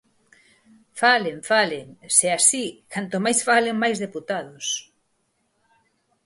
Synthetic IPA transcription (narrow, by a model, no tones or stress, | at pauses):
faleɱfaleŋseasikant̪omajsfaleŋmajzðeput̪aðʊs